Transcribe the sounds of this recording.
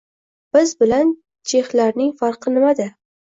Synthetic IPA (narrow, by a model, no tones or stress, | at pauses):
b̥ɪzbɪlan | t͡ʃʰe̞hlaɾnɪŋfaɾqɨnɪmad̪ɪ